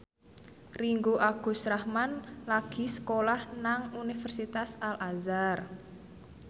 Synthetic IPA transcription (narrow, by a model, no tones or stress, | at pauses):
riŋɡoʔaɡ̥ṳsɾahmanlaɡ̥i̤səkolahnaŋunifərsit̪asalʔazar